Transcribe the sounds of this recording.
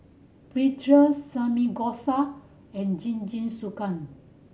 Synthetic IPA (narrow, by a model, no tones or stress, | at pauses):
pɹitɹəsãmiɡɔsa | ɛ̃nd͡ʒĩnd͡ʒĩnsukãn